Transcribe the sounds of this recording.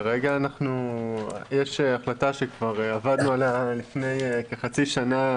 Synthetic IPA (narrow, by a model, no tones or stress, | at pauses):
ʁeɡaːnaχnu | jeʃeaχlataʃekvaʁavad̪nualalifne̞jekeχat͡siʃana